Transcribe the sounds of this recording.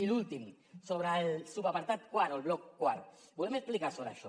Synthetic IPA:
ilult̪im | soβɾaelsubapaɾt̪at̪̚kwaɾolβlɔkːwaɾo | bulemesplikaɾsoβɾaʃɔ

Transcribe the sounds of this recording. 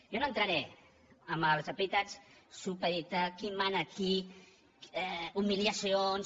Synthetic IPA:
jonoənt̪ɾəɾɛ | əməlˠzəpit̪at͡ssupəɾit̪akimanəki | ɛumiljəsions

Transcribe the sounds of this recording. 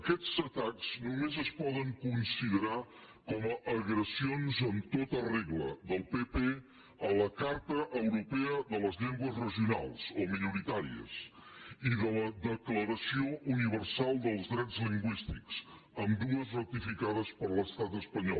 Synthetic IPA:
əkɛd͡zzət̪akz̥numezəspɔðəŋkunsiðəɾa | kɔməʔːɣɾəsionzənt̪ot̪əreɣləðəlˠpepe | ələkaɾt̪əʔəwɾupɛəðələzʎɛŋɡwəzrəʒiuna̰lˠzominuɾit̪aɾḭə̰siðələðəkləɾəsioʔuniβ̞ərsalˠd̪əlˠzdɾɛd͡zliŋɡwist̪ikz̥ | əmd̪uəzrət̪ifikaðəspəɾləst̪at̪əspəɲɔ̰l

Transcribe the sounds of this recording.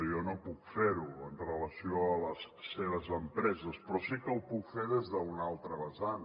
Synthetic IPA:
jɔnopukfeɾuənrələsioələsseβəzəmpɾɛzəspɾɔsikəupukfeðezðəunalˠt̪ɾəβəsan

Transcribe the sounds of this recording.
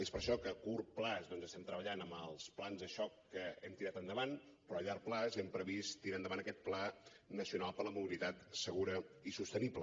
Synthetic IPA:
espəɾʃɔkəkurplazðɔnzəst̪ɛmt̪ɾəβəʎanəməlˠsplanzðəʃɔkːəɛmt̪iɾat̪ənd̪əβan | pɾɔəʎaɾplazɛmpɾəβist̪iɾand̪əβanəkɛt̪̚planəsiunalˠpəɾləmuβilit̪at̪səɣ̞uɾəisust̪əniplə

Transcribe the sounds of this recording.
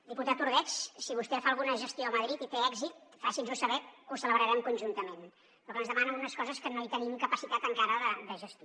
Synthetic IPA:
d̪iput̪at̪uɾð̞ɛt͡ʃsiβust̪ɛfaːlˠɣunəʒəst̪ioəməðɾit̪it̪eɛɡzit̪̚fasinzusəβɛusələβɾəɾɛmkunʲʒunt̪əmen | pɾɔkənzðəmanənunəskɔzəskənoit̪ənimkəpəsit̪at̪əŋkaɾəðəd̪əʒəst̪i

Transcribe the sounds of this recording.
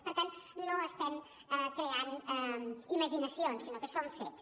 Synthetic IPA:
pəɾt̪annoəst̪ɛn | ɛkɾeanɛiməʒinəsionsinokəsoɱfḛt̪s

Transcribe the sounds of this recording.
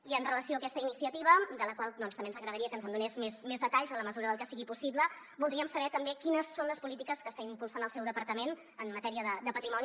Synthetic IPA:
iənrələsioəkɛst̪əinisiət̪iβəd̪ələkwalˠd̪ɔnst̪əmbenzəɣɾəðəɾiəkənzəmd̪unezmesmezðət̪aʎzələməzuɾəðəlˠkəsiɣipusiβlə | bulˠd̪ɾiəmsəβɛt̪əmbekinəsːonləspulit̪ikəskəst̪aimpulˠsanəlˠsɛwðəpəɾt̪əmen | əmːət̪ɛɾiəðəd̪əpət̪ɾimɔni

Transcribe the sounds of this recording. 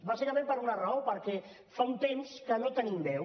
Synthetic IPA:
βaseɾəmempəɾunərəopəɾkɛ | faunt̪emskənot̪ənimbɛw

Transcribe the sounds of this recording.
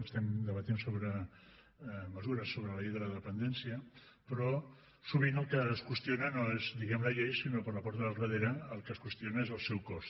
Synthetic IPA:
əst̪ɛmd̪əβət̪insoβɾə | məzuɾəsːoβɾəlɐʎejðələðəpənd̪ɛnsiə | pɾɔ | suβinəlˠkəːskwəst̪jonənoezd̪iɣɛmləʎejsinopəɾlɐpɔɾt̪əðəlrəðeɾəːlˠkəːskwəst̪ionəezəlˠsɛwkɔst̪

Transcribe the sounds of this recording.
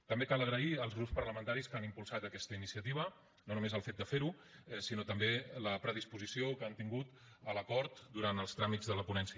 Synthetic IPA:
t̪əmbekaləɣɾəiəlˠzɣɾupspəɾləmənt̪aɾiskanimpulˠsat̪əkɛst̪əinisiət̪iβ̞ə | nonumezəlˠfet̪̚d̪əfeɾu | ɛsinot̪əmbeləpɾəð̞ispuzisiokəant̪iŋɡut̪ | ələkɔɾt̪d̪uɾant̪əlˠst̪ɾamid͡zðələpunɛnsiə

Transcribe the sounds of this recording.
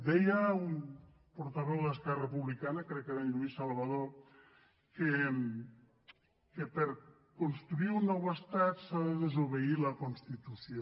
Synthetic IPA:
d̪ɛjaum | poɾt̪aβɛwðeskɛɾrepuβlikanakɾɛkːeɾaɲluisalˠβaðo | ke | kepeɾ | konst̪ɾuiɾunːɔwest̪at̪saðeðezoβeilakonst̪it̪usjo

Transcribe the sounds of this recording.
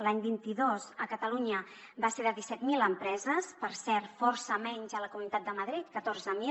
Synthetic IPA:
laɲbint̪iðozəkət̪əluɲə | baseðəðisɛt̪miləmpɾɛzəspəɾsɛɾt̪fɔɾsəmɛɲzələkumunit̪at̪̚d̪əməðɾit̪̚kət̪oɾzəmi

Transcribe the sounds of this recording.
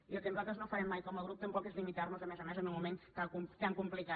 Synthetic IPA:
iəlˠkənuzalˠt̪ɾəznofəɾɛmːajkɔməɣ̞ɾup̚t̪əmpɔkezlimit̪arnuzəmɛzəmɛzənulmumẽŋk̪akumt̪aŋkumplika

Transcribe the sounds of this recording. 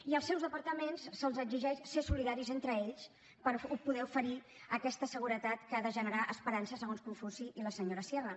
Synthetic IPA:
iəlˠsɛwzðəpəɾt̪əmensːəlˠzəɡziʒɛʃsesuliðaɾizent̪ɾəeʎs | pəɾupuðɛufəɾi | əkɛst̪əsəɣuɾət̪at̪kəðəʒənəɾaʔəspəɾansəsəɣonskuɱfusiʔiləsəɲoɾəsjɛɣə

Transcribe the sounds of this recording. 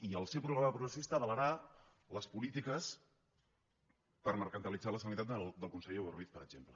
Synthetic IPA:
iəlˠsewpɾuɣɾaməpɾuɣɾəsist̪əːðələɾa | ləspulit̪ikəs | pəɾməɾkənt̪əlid͡zaləsənit̪at̪d̪əlˠkunsəʎeoɾβiθpəɾəʒ̥emplə

